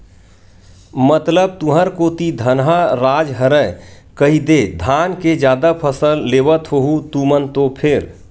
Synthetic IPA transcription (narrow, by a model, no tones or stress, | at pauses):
mət̪ləb̚t̪ũɦəɾkot̪id̪ʱənɦaɾad͡ʒɦəɾəj | kəɦid̪ed̪ʱanked͡ʒjad̪apʰəsəlːebət̪ɦoɦut̪umənt̪opʰeɾ